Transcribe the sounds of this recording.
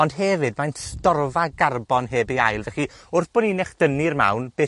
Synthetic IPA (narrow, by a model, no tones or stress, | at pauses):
ɔndɦɛvɨd̚manstɔrvaɡarbɔnɦeːbeajlˠvɛχiʊrθb̥ɔninɛχd̥ənirma̰wnb̥eː